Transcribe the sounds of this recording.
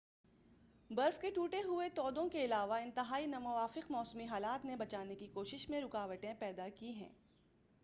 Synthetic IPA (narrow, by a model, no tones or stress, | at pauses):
bɐɾfkeʈuːʈeɦʊet̪ɔːd̪õkeɪlaːʋaɪ̃nt̪ɪɦaːinɐmʊʋaːfɪqmɔːsmiɦaːlaːt̪nebɐt͡ʃaːnekikoːʃɪʃmẽɾʊkaːʋəʈẽpɛːd̪akiɦɛ̰̃ː